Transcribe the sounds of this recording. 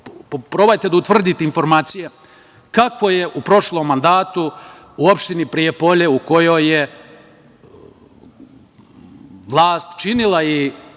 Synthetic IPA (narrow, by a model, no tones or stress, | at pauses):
pɾoːbajt̪e̞d̪aut̪ʋr̩d̪it̪einfo̞ɾmaːt̪sije | kakʋo̞jeʔupɾo̞ʃlˠo̞mːand̪aːt̪u | uopʃt̪inipɾijepo̞ʎe̞uko̞joje | ʋlˠaːst̪t͡ʃinilˠai